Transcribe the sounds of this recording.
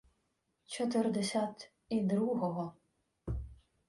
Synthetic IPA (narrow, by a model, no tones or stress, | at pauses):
t͡ʃɔt̪ɪrd̪ɛsʲat̪ | id̪ɾuɦɔɦɔ